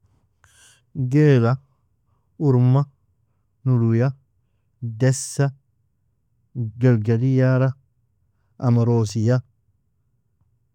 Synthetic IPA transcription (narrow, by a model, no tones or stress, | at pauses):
ɡeːla | uɾma | nuluja | dɛsːɐ | ɡalɡalijaɾa | ɐ̰mɐɾoːsija